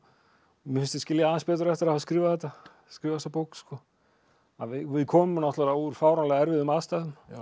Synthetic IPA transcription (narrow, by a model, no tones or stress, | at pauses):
mɪfɪ̃nst̪ɪscɪljaaːðɪnspɛːt̪ʏɾɛft̪ɪɾahas̬kɾiːvaðθɛt̪a | skɾiːvast̪apowksːkɔ | avɪvɪðkʰɔːmʏnawht̪ɛɾauɾ̥faːwɾanlɛːɣaɛɾvɪðʏmaðst̪aːðʏm